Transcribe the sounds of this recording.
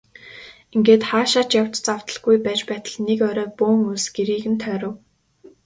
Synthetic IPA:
iŋɡeːt̪χaːʃaːt͡ɕjaw̥t͡ɕt͡saw̥t̪ə̆ɮɡujpæːt͡ɕpæːt̪ə̆ɮnekœɾœːpoːŋusɡ̥eɾiːɣɘ̆nt̪ʰœːɾə̆w

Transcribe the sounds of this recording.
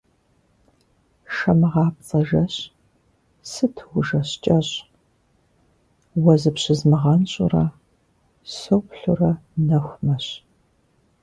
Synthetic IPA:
ʃɐmɨʁɑːp̚t͡sʼɐʒɐɕ | sɨtʰɨwʊʒɐɕt͡ʃʼɐɕʼ | wɐzɨpɕɪzmɨʁɐnɕʼʊ̰rɐ | sowpɬurɐnɐxʷmɐɕ

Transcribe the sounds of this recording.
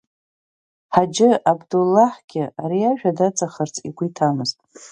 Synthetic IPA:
ħad͡ʒɪabdulːaħɡ̥ʲɪaɾiaʒᶣadat͡sʼaχərt͡sʰʼḭɡʷitʰamɨztʼ

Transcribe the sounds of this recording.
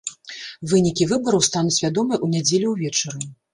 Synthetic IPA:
vɨnʲikʲivɨbɐɾɐwst̪anusʲvʲad̪ɔmɨjʔunʲɛd͡zʲelʲiwvʲɛt͡ʂɛri

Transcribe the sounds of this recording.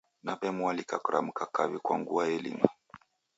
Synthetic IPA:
napɛmualikakuɾa̰m̩kakaβikwaŋɡuaɛlḭma

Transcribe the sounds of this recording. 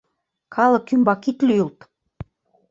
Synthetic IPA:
kʰɑlɤ̆kːymbɑkit̪lʲyult̪

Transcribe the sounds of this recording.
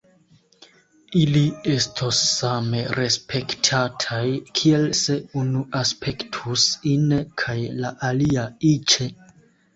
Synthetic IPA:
ilie̞stʰosːame̞ɾe̞spʰe̞ktʰatʰajkʰie̞lse̞unuʔaspʰe̞ktʰusinkʰajlaʔaliait͡ʃe̞

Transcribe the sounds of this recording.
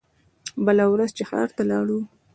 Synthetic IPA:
bəlawɾazt͡ʃexɑ̰ɾt̪alɑɽu

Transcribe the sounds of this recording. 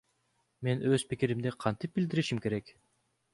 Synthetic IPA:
me̞nøz̥pikʲiɾimd̪iqʰɑnt̪ip̚bild̪iɾiʃimke̞ɾe̞k

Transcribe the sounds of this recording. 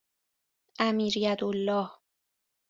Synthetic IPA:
ʔæmiːɾjæd̪olːɒːh

